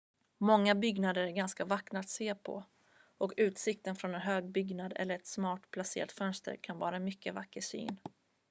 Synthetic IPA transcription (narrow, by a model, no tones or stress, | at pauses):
mɔŋːabʏɡnad̪əɾæɾɡanskavaknat̪seːpʰɔ̰ | ʔɔkʉ̟ːt̪sɪkt̪ənfɾɔnɛnɦøːɡ̚bʏɡnad̪ɛ̰lːəɾɛt̪smɑːʈpʰlasḛːɾat̪fœnst̪ə̰ɾkʰanvɑːɾaɛnmʏkːəvakːəsy̰ːn